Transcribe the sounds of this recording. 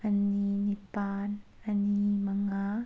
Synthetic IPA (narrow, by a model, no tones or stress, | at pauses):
ʔaninipaːn | animaŋa